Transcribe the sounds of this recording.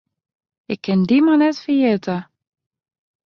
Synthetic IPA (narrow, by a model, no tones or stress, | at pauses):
ɪkʰːɛnd̪imanɛtfəjet̪ə